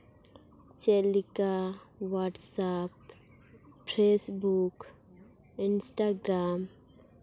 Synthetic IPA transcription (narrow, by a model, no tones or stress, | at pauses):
t͡ʃelika | ʋaːʈsap | pɾeːsbuk | ɪnsʈaːɡɾaːm